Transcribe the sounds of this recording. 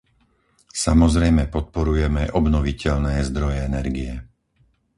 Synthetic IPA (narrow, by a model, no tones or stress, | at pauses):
samɔzɾɛjmɛpɔt̪̚pɔɾujɛmɛʔɔbnɔʋicɛʎnɛːzd̪ɾɔjɛɛnɛɾɡiɛ